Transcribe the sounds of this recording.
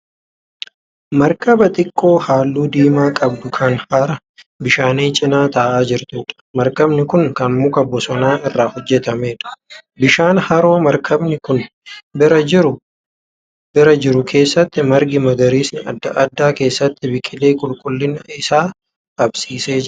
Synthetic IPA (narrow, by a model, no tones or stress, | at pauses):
mɐɾkɐbɐt̪ʼɪkʼːo̞ːhaːlːuːd̪iːmaːkʼɐbd̪ʊkʰɐnhaɾɐ | bɪʃaːneːt͡ʃʼɪnaːt̪ɐʔaːd͡ʒɪɾt̪uːᶑɐ̥mɐɾkɐbnɪkʊŋkɐnmʊkɐbɔsɔnaːɪrːaːhɔd͡ʒːɛt̪ɐme̞ːᶑɐ̥bɪʃaːnhɐɾo̞ːmɐɾkʰɐbnɪkʊn | bɪɾɐɪɾʊ | bɪɾɐd͡ʒɪɾʊkʰe̞ːsːɐt̪ːɪmɐɾɡɪmɐɡɐɾiːsnɪɐ̰d̪ːɐʔɐd̪ːaːke̞ːsːɐt̪ːɪbɪkʼːɪle̞ːkʼʊlkʼʊlːɪnɐɪsaː | ɐbsiːse̞ːd͡ʒɪ